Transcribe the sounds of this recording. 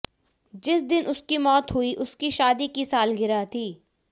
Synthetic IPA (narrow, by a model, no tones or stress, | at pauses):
d͡ʒɪsd̪ɪnʔʊskimɔːt̪ɦʊiʔʊskiʃaːd̪ikisaːlɡɪɾat̪ʰiː